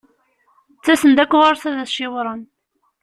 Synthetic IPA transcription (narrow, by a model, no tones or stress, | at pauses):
t͡sːæsənd̪ækʷːʁʊɾsæðæθʃɪwɾˤən